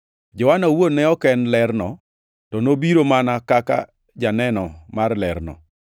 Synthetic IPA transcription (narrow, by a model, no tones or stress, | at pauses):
d͡ʒʊwanawonɛɔkɛnlɛrnɔ | tɔnobiɾomanakaka̰ | d͡ʒanɛnɔmarlɛrnɔ̰